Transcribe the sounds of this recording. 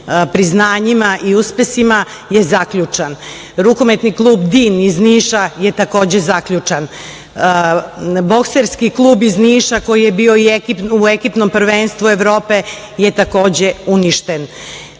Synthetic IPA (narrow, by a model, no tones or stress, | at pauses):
pɾiznaːɲimaʔiuspe̞sima | jezakʎut͡ʂan | ɾukomet̪niklˠuːbd̪iːnizniːʃaje̞t̪ako̞ːd͡ʑe̞zakʎut͡ʂan | bo̞kseɾskiklˠuːbizniːʃako̞jijebiːoiekipuekipno̞mpr̩ʋeːnst̪ʋue̞ʋɾoːpe̞ | jet̪ako̞ːd͡ʑe̞uniʃt̪en